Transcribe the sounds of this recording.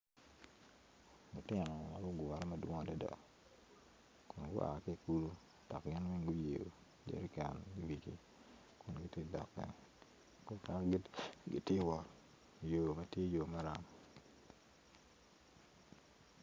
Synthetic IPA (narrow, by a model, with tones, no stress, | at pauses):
lu˨tɪ˦˨nɔ˨ma˦ɡʊ˦ɡwɔ˨ɾɛ˦mɐ˦dwɔ˦˨dɛ˦dɔ̰˨ | kʊ˨nɡʊ̰˦ʔa̰˨ki˦˨ku˦lu˦ | tɔ˨kɡɪ˦nme˦˨ŋɡu˦jḛ˨ɡo̰˨ | d͡ʒḛ˦ɾi˦ka˨nɡi˦wi˨ki˨ | kʰʊ˨nɡi˦te˦dɔ˨knɛ̰˦ | kʊ˦ta˦kɡɡḭ˦te˦wɔ˨ | jo˨mɐ˦tje˦jo˨ma˦ɾa˨m